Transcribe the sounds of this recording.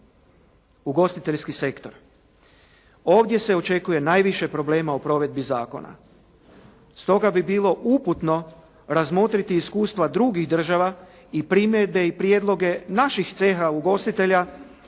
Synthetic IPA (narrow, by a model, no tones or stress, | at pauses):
uɡo̞st̪it̪e̞ʎskise̞kt̪o̞ɾ | o̞ːʋd̪je̞se̞o̞t͡ʃe̞kuje̞naːjʋiʃe̞pɾo̞ble̞ːmaopɾo̞ʋe̞d̪̚bizaːko̞̰na̰ | st̪o̞ɡabibiːlo̞ʔuput̪no̞ | ɾazmo̞t̪ɾit̪iːskuːst̪ʋad̪ɾuɡiɣd̪r̩ʒaʋa | ipɾimjed̪̚be̞ipɾjed̪lˠo̞ɡe̞naʃixt̪se̞xauɡo̞st̪it̪e̞ʎa